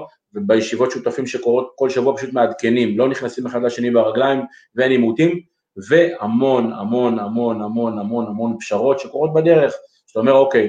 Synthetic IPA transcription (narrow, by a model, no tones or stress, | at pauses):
vebejeʃivo̞tʃut̪afimʃe̞ko̞ʁo̞t̪̚ko̞lʃavuapaʃut̪mead̪ke̞nimlo̞niχnasime̞χad̪laʃe̞nibeʁaɡlajm | venimut̪im | ve̞hamo̞namo̞namo̞namo̞namo̞namo̞npʃaʁo̞t̪ʃe̞ko̞ʁo̞t̪̚bad̪e̞ʁe̞χ | e̥t̪aome̞ʁokej